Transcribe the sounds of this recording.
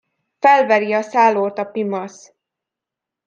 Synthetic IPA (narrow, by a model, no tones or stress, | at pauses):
fɛlvɛɾiɒsaːloːt̪ɒpimɒs